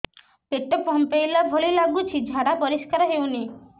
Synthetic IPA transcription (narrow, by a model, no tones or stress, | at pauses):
peʈɔpɔmpejlabʱɔlilaɡut͡ʃʰid͡ʒʱaɽapɔɾiskaɾɔɦewni